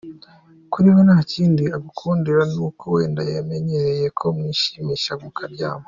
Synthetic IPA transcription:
kuɾiβonaːciːndiaɡukʰuːndiɾanuːkʰo̞we̞ːndajame̞ɲe̞ɾe̞je̞kʰo̞mŋiːʃimiʃamukʰaɾɟaːmo

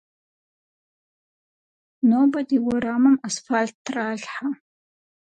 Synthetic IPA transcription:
nobadiwʊɾamɨmasfaltːraɮħa

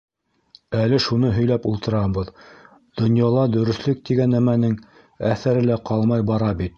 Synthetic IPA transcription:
ælɘʃunɤɦɵ̆jlæpulˠt̪ɤ̆ɾɑbɤð | d̪̥ŏnjɑlˠɑd̪ɵ̆ɾɵ̆θlɵk̚t̪iɡænːæmænɘŋ | æθæɾɘ̆læqɑlˠmɑjbɑɾɑbit̪̚

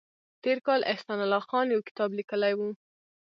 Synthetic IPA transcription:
t̪eɾkɑlʔɪhsɑnalɑxɑnjawkɪ̥t̪ɑblikəlajwu

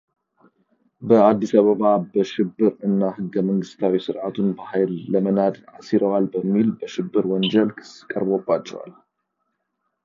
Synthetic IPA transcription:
bəad̪ːisaβəβabəʃɪbːɨɾɨnːahɨɡːəməŋɡɨst̪ʰawisɨɾʕat̪ʰunbahajlːəmənad̪ʔasiɾəwalbəmːilbəʃɪbːɨɾwɔnd͡ʒəlkʰɨ̥sɨ̥kʼəɾbobːat͡ʃːɛ̰wa̰l

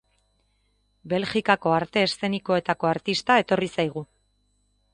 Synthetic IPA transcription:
be̞lʝikako̞aɾt̪e̞ːst̪e̞niko̞e̞t̪ako̞aɾt̪ist̪ae̞t̪o̞risajɣ̞u

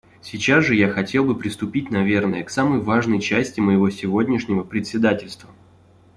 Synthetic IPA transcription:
sʲɪt͡ɕasʐɨjaxɐtʲe̞lˠbɨpɾʲɪst̪ʊpʲit̚ʲnɐvʲe̞rnəjəksamɨjvaʐnəjt͡ɕæsʲtʲɪməjɪvo̞sʲɪvo̞dʲnʲɪʂnʲɪvəpɾʲɪt̪ʲsʲɪd̪atʲɪlʲst̪və

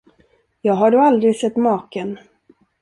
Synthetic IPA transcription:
jɑːɡɦaɖɵald̪ɾɪɡsɛt̪ːmɑːkən

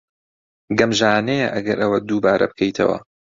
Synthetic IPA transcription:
ɡɐmʒaːnejɛʔɐɡɐɾʔɐwɐd̪uːbaːɾɐ̰b̚kʰɐjt̪ʰɐ̰wɐ̰

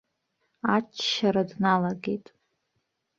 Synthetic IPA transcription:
at͡ʃʰʃaɾadnalaɡe̞jtʼ

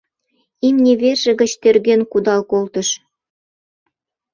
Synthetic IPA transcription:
imnʲeβerʒĕɡə̆t͡ɕt̪erɡenkud̪ɑlˠkolˠt̪ɤ̆ʃ

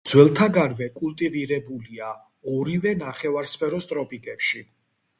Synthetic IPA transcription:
d̪z̥wɛlˠt̪ʰaɡaɾvɛkʼulˠt̪ʼiviɾɛbulia | ɔɾivɛnaχɛvaɾspʰɛɾɔst̪ʼɾɔpʼikʼɛpʃi

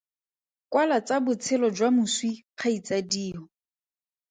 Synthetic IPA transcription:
kwalat͡sabʊt͡sʰɪlɔd͡ʒwamʊswiq͡χʰait͡sadiːɦɔ

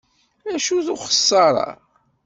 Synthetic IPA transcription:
æʃuθʊχə̥sˤːɑɾˤɑ̰

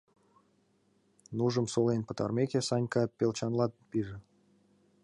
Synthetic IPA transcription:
nuʒə̆msolenpə̆t̪ɑrmʲekʲesɑnʲkɑpelt͡ɕɑnlˠɑt̪piʒĕ

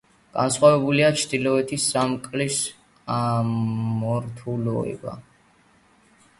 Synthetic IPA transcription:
ɡ̥a̰nsχwavɛbuliat͡ʃʰd̪ilɔɛt̪ʰisamkʼlis | a | mɔɾt̪ʰulɔ̰ɛ̰ba̰

